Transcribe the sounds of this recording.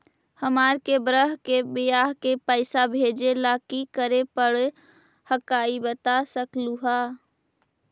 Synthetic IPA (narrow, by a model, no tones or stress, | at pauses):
həmaɾkebɾəɦkebijaɦkepəɪsabʱed͡ʒelakikəɾepəɽ | həkaibət̪asəkluɦa